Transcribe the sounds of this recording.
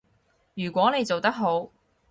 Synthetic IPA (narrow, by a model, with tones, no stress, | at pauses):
jyː˨˩kʷwɔː˨˥ne˨˧jt͡so˨wt̪ɐ˥k̚ɦo˨˥w